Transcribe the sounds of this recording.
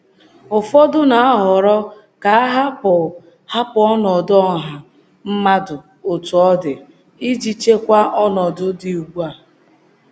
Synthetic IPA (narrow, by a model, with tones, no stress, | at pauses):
ʊ˨fɔ˦dʊ˦na˨a˦ɦɔ˨ɾɔ˦ | ka˨a˦ɦa˦p | ha˦pʊ˨ɔ˦nɔ˨dɔ˦˨ɦa˨ | m̩˦ma˦dʊ˨ | o˨tu˨ɔ˦dɪ˨ | i˦d͡ʒi˦t͡ʃe˦kʷa˦ʔɔ˦nɔ˨dʊ˦dɪ˨u˨ɡ͡bʷu˦a˨